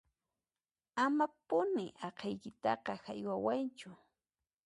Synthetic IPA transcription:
amapʊnɪʔɑqʰɑjkɪt̪ɑqɑhajwawant͡ʃʊ

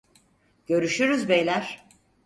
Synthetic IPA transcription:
ɟ̥ø̞ɾyʃyɾyzbejlʲæɾ̥

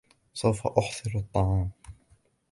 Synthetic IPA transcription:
sˤawfa̰ʔʊħsˤɨɾɑt̪ˤːɑʕɑːm

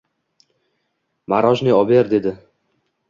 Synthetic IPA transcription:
maɾɒʒnɪɒbeɾd̪e̞d̪ɪ

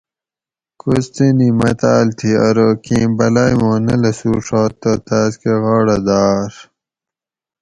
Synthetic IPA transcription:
kust̪enimɐt̪aːlt̪ʰiɐɾoːkĩːbɐlaːjmõːnɐlɐsuːʂoːt̪ot̪aːskeɣɑːɽɐd̪aːɾ

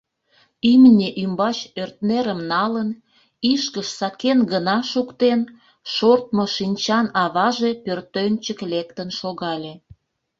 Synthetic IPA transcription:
imnʲeʔymbɑt͡ɕørt̪neɾəmnɑlən | iʃkəʃsɑkenɡənɑʃukt̪en | ʃort̪̚moʃinʲt͡ɕɑnɑβɑʒepørt̪ønʲt͡ɕəklekt̪ənʃoɣɑlʲe

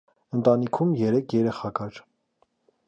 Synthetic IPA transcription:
ənt̪ɑnikʰumjɛɾɛkʰjɛɾɛχɑkɑɾ

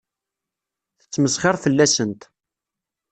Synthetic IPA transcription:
θə̥t͡sːməsχɪɾˤθəlːæsənt̪

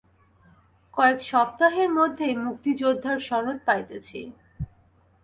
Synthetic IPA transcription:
kɔekʃɔp̚t̪aɦeɾmod̪ʱːemuk̚t̪id͡ʑod̪ʱːaɾʃɔnot̪̚pajt̪et͡ɕʰe

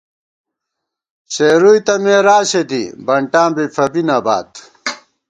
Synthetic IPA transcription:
ɕeːɾuit̪ɐmeːɾaːɕed̪ḭbɐɳʈãːbifʰɐbinaba̰ːt̪

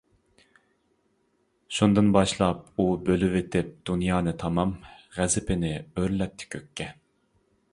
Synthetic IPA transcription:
ʃund̪ɨnbɑʃlˠɑp̚ubølywet̪ʰɪp̚d̪̥unjɑːnɨt̪ʰɑmɑmʁɛzɪpɪnɪøɾlɛt̚t̪ʰːɪ̥kʲʰøkʲʰːɛ

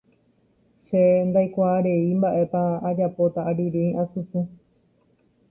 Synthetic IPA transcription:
send̪ajkʷaːɾe̞imbaʔe̞paːd͡ʒapo̞t̪aʔːɾiɾẽĩʔãsusu

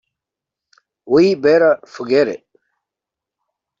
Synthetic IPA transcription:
wuibeːɾafuɡeɾḛ

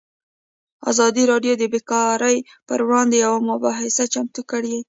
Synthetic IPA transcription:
a̰zɑd̪iɾɑɖjod̪əbɪkɑɾəj | pəɾwɽɑnd̪ejawamʊbɑɦɪsat͡ʃamt̪ukəɽ

